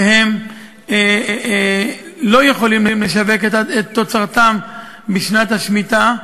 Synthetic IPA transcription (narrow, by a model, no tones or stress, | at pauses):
he̞m | lo̞jeχo̞limlemleʃave̞ketetːot͡saʁt̪am | biʃnat̪haʃmit̪a